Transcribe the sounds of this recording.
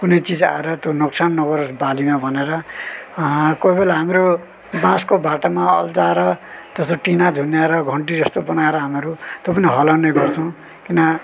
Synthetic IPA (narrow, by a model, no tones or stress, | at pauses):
kunejt͡sid͡za̰eɾʌt̪jonoksanːʌɡʌɾʌbalimabʱʌneɾʌ | koibelaɦamɾo | bãskobaʈamaʌ̰ld͡zaeɾʌd͡zʌst̪oʈinad̪ʱunjaeɾʌɡʱʌɳʈid͡zʌst̪obʌnaeɾʌɦameɾut̪jopʌniɦʌlaneɡʌrt͡sʰʌw̃ | kinʌ